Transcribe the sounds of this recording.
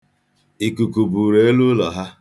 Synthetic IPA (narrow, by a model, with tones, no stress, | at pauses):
i˨ku˨ku˨bu˨ɾe˨˦e˦lu˦lɔ˨ɦa˦